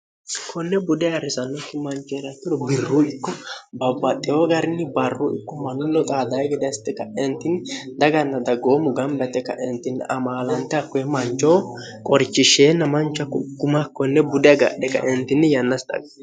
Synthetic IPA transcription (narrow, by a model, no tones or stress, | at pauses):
kʰɔnːɛbʊd̪ɛɐɾɪsɐnːɔkːɪmɐnt͡ʃɔɛɾɐt̪ːɪdɔbɪrːuɪkːɔbɐbːɐt̪ʼːɛoɡɐɾɪnːɪbɐrːʊʔɪ̰kːɔmɐnʊlːɔt̪ʼaːd̪ɐjɡɛd̪st̪ːɛkːɐɛnt̪ːɪnd̪ɐɡɐnːɐd̪ɐɡoːmʊɡɐmbɛt̪ːɛkːɐ̰ʔɛnt̪ːɪnːɐmaːlɐnt̪ːɛɐkːɔɛmɐnt͡ʃːoː | kʼɔɾt͡ʃːɪʃeːnːɐmɐnt͡ʃːɐkːɡʊmakːɔnːɛbʊd̪ɛɡa̰ʔɗɛkːɐ̰ʔɛnt̪ːɪnːɪjɐnːɐst̪ʼɐ̰ɡ